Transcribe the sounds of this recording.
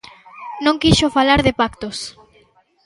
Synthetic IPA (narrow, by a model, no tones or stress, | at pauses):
nõŋkiʃʊfalaɾðɪpakt̪os